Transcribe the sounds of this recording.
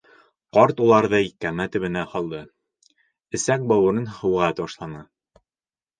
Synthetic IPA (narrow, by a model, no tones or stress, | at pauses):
qɒɾt̪ulˠɑɾðɤjikæmæt̪ɵ̆βɘ̆næhɒlˠd̪ɤ | ɘ̆sæk̚bɒwɤ̆ɾɤnhɤ̆wʁɑt̪bɑʃlˠɑnɤ